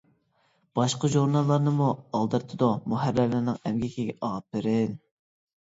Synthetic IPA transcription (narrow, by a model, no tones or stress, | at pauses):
b̥ɑʃqəʒuɾnɑlˠːɑɾnɨmuɑlˠd̪ɨɾt̪ʰɨd̪umuɦæɾːælɪɾnɨŋɛmɡʲikʲʰiɡʲɛʔɑpːɪɾɪn